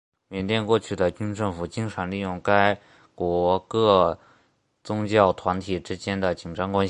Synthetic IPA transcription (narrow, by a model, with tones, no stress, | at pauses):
mjɛ˧˥nt̪jɛ˥˧nkwɔ˥˧t͡ɕʰy˥˩d̪ə˩t͡ɕy˥nʈ͡ʂɤ˥˩ŋfu˨˩t͡ɕi˥ŋʈ͡ʂʰa˧˥ŋli˥˧jʊ˥˩ŋka˥ɪ | kwɔ˧˥kɤ˥˩ | t͡sʊ˥ŋt͡ɕjɑ˥˩ʊt̪ʰwa˧˥nt̪ʰi˨˩ʈ͡ʂɻ̩˥t͡ɕjɛ˥nd̪ə˨t͡ɕi˨˩ŋʈ͡ʂɑ˥ŋkwa˥n